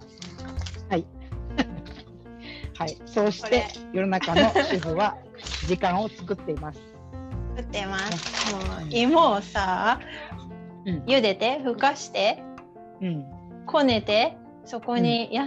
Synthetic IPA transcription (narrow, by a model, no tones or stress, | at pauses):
hai | haiso̞ːɕi̥t̪e̞jo̞nonakano̞ɕiɦoβa | d͡ʑikãɰ̃o̞t͡sɨ̥kɯ̟t̪ːe̞imasɨ̥ | t͡sɨ̥kɯ̟t̪ːemasɨ̥moimosaː | ɯ̃jɯ̟d̪e̞t̪e̞ɸɯ̟kaɕi̥t̪e̞ | ɯ̟̃ɴ | kʰo̞ne̞t̪e̞ | so̞ko̞ɲ̟ija